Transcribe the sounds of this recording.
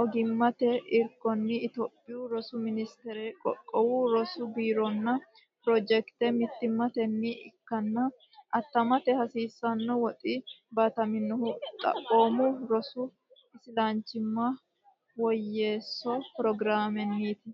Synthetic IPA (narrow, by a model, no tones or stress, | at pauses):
ʔɔɡɪmːɐt̪ɛʔɪɾkːɔnːɪɪt̪ɔpʼːɪjʊɾɔsʊmɪnɪst̪ɛɾɛkʼɔkʼːɔwuɾɔsʊbiːɾɔnːɐ | pɾɔd͡ʒɛkt̪ɛmɪt̪ːɪmːɐt̪ɛnːɪʔɪ̰kːɐnːɐ | ʔɐt̪ːɐmɐt̪ɛhɐsiːsːɐnːɔwɔt̪ʼɪbat̪ɐmɪnːɔhʊt̪ʼɐ̰ʔoːmʊɾɔsʊ | ɪsɪlaːnt͡ʃːɪmːɐ | wɔjːe̞ːsːɔpɾɔɡɾaːmɛnːiːt̪ɪ